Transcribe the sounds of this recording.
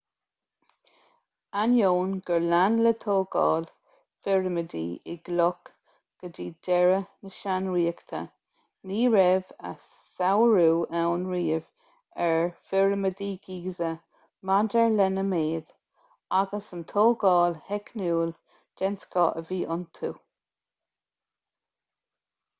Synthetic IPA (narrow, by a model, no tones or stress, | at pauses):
anjoːnɡ̥əɹlanlət̪ʰoːɡɑ̰ːl | fɪɹməd̪ḭːɪ̰ɡ̥lɔk | ɡ̥ədiːdɛɹənəʃanɹiːəkt̪ʰə̰ | niːɹɛva̰sːawəɹuːawnɹiːv | ɛɹfɪɹməd̪iːɡiːzə | madəɹlɛnəmeːd̪̥ | aɡəsənt̪ʰoːɡɑːlhɛkʰnuːl | d͡ʒ̥ɛnskɔ̰ːʔəviːʔʊnt̪ʰuː